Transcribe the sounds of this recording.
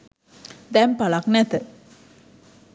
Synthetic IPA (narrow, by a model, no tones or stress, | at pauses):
d̪ɛmpalaknɛt̪ə